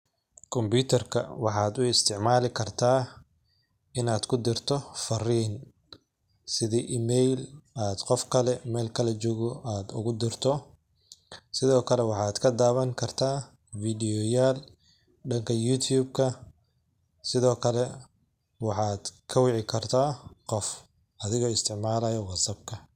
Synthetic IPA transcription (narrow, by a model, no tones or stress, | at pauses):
kʰɔmbuːt̪ʰɐrkʰɐ̰wɑħɑːd̪ʊɪst̪ʰɪʕmaːlɪkʰɐrt̪ʰaː | ɪnaːd̪kʰʊd̪ɪrt̪ʰɔfɐriːn | sɪðiʔiːmɛjlaːd̪qɔfkʰɐlɛmɛːlkʰɐlɛt͡ʃɔːɣɔʔaːd̪ʊ̰ɣʊd̪ɪrt̪ʰɔ | sɪðɔːkʰɐlɛwɑħɑːd̪kʰɐd̪aːβɐŋkʰɐrt̪ʰaː | vidɪjɔjaːl | ɖɐŋkʰɐjut̪ʰjuːbkʰɐ | sɪðɔːkʰɐlɛ | wɑħɑːd̪̥kʰɐwɑʕɪkʰɐrt̪ʰaːqɔf | ɐðɪɣɔːɪst̪ʰɪʕmaːlɐjɔwɑsɐb̚kʰɐ